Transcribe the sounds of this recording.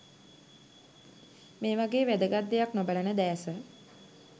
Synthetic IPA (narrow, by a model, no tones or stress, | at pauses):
meːʋaɡeːʋæd̪əɡat̪̚d̪ːejaknobələnəd̪æːsə